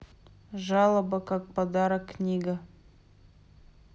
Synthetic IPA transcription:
ʒɑlˠəbəkak̚pad̪ɑɾəkːnʲiɡa

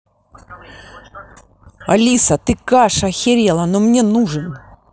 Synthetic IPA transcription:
ɐlʲisɐt̪ɨkaʂɐxʲɪɾʲelˠɐnomnʲenuʐɨn

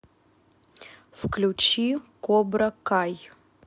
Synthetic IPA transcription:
fklʲut͡ʃikobɾɐkaj

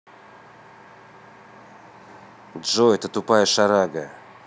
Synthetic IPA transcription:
dʐoɛt̪ət̪ʊpajəʂaɾaɡə

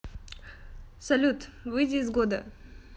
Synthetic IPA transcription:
sɐlʲut̪vɨjdʲɪːzɡod̪ə

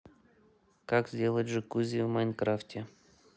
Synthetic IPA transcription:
kakzʲdʲelˠətʲʐɨkuzʲɪvmajnkɾaftʲɪ

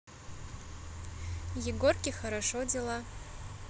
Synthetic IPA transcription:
jɪɡorkʲʼixɐɾaʂodelˠa

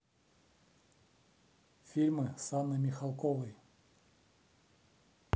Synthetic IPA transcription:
fʲilʲmɨsanːɨmʲɪxalˠkovɨj

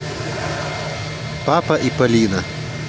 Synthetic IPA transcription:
pɑːpɐʔipɐlʲiːnɐ

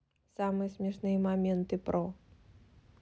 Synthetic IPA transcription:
samɨjɐsʲmʲɛʂnɨjɐmamʲɛnt̪ɨpɾʔɔ

